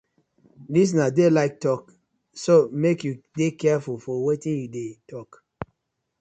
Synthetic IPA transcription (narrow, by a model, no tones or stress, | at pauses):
dis̬nadelaɪk̚tɔk | somekjudekɛfulfɔwetĩnjudetʰɔk